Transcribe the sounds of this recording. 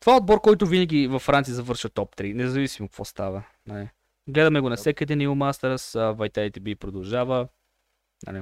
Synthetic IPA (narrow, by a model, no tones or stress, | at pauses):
t̪ovaɛod̪̚bɔɾkɔjt̪ʊvinəɡʲivɐfːɾant̪siəzɐvɤɾʃvət̪ɔp̚t̪ɾinɛzɐvisimʊkvɔ̰st̪avə | nai | ɡlɛd̪ɐmɛɡʊnɐfsɛkəd̪ɛniʊmast̪ɛɾsəvɐjt̪ait̪ɛbipɾod̪ɐlˠʒavə | na̰lɛ